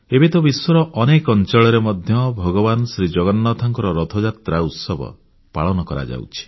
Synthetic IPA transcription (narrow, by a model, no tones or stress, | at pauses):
ebet̪ɔbiswɔɾɔʔɔnekɔnt͡ʃɔɭɔɾemɔd̪ʱjɔbʱɔɡɔbanɔsɾid͡ʒɔɡɔnːɔt̪ʰaŋkɔɾɔɾɔt̪ʰɔd͡ʒat̪ɾaut̪sɔbɔ̰ | paɭɔnɔkɔɾa̰d͡ʒa̰wt͡ʃʰi̥